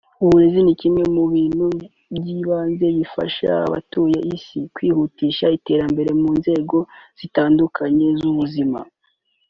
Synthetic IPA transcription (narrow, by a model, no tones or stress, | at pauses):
uβuɾe̞zinicimŋe̞muβiːnhu | bɟiːβaːnze̞βifa̰ʃa̰βa̰tuːjeʔisikwiːhutiːʃaite̞ːɾambe̞ɾe̞muːnze̞ːɡo̞z̥itaːndukʰaɲe̞zuβuzima̰